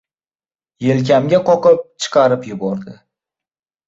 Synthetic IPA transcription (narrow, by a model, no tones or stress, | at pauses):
jelk̬ʲamɡʲaqɒqɨp̚t͡ʃʰɨ̥qʰɑɾɪpjʊbɒɾd̪ɪ